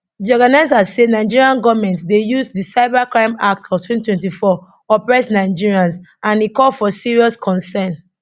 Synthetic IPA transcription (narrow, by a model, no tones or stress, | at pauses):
d͡ʒɔɡanazasenaɪd͡ʒiɹiãnɡɔvmɛ̃ntdejuzdisaɪbakɹãɪ̃mak̚tɔftʰwɛ̃ntwɛ̃ntifɔ | ɔpɹɛsnaɪd͡ʒiɹiãnsãnikɔlfɔsiɹiɔskʰɔ̃nsɛ̃n